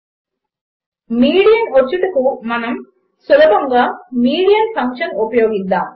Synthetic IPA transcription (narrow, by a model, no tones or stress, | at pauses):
miːɽijɐnʋɐt͡ʃːuʈɐkumɐnɐm | sulɐbɐŋɡaːmiːɽijɐnpʰɐŋkʂɐnupɐjoːɡid̪ːaːm